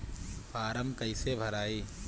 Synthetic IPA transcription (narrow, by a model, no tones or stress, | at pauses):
paːɾəmkəɪsebʱəɾaːiː